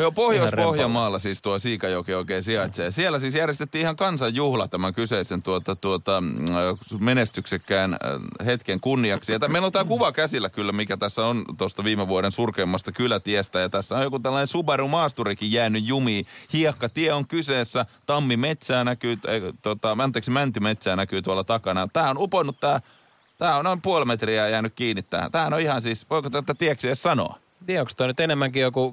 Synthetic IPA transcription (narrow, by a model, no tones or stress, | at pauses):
opohjoispohjɑmɑːlːɑsiːst̪uɑsiːkɑjokioikeːsiɑt̪sejɑsielːˑæsiːsjærjest̪et̪ːiːihɑŋkɑnsɑjjuhlɑ̰t̪æmæŋkyseisent̪uot̪ɑt̪uot̪ɑ | menest̪yksekːæːnhet̪keŋkunːiɑksijjɑt̪æmeinlot̪æːkuʋɑkæsilːækylːæmikæt̪æsːæont̪ost̪ɑʋiːmeʋuoɾensurkeːmːɑst̪ɑkylæt̪iɛst̪æjɑt̪æsːæõjokut̪ælːɑnesuberumɑːst̪urikijjæːnyjjumiːhiɑkːɑt̪iɛoŋkyseːsːæt̪ɑmːimet̪sæːnækyːt̪ot̪ɑmænt̪ːeksmænt̪ymet̪sæːnækyːt̪uɑlːɑt̪ɑkɑnɑt̪æːonuponːut̪t̪æː | t̪æːonnoimpuɑlmet̪riæjæːnykkiːnːit̪t̪ːæ̰ːhæ̰t̪æːhænoihɑnsiːsʋoikot̪æt̪ːæt̪iæksiessɑno̰ɑ̰ | t̪ieokst̪uoˑɑnyt̪enemːæŋkijoku